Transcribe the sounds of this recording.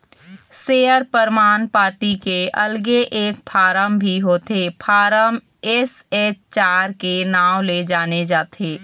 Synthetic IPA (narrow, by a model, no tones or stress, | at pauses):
seːəɾpəɾmaːnpaːʈikeʔɐlɡeʔeːk̚pʰaːɾəmbʱiɦoːt̪epʰaːɾəm | ɛset͡ʃt͡ʃaːɾkenaːwled͡ʒaːned͡ʒaːt̪ʰeː